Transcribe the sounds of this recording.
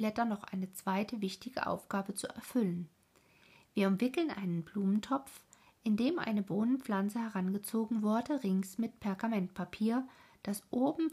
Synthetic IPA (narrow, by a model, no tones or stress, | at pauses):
lɛtɐnɔχʔa̰ɪnət͡sv̥aɪtʰəvɪçtɪɡə̰ʔa̰ʊfɡ̥aːbət͡suɛ̰ɐfʏlən | viːɐʊmv̥ɪkl̩nʔa̰ɪnənbluːməntʰɔp͡f | ʔɪndeːmʔa̰ɪnəboːnənp͡flant͡səhɛʁanɡət͡soːɡŋ̩vʊɐdəʁɪŋsmɪt̚pʰɛɐɡamɛntpʰapʰiːɐ | d̥asʔoːbm̩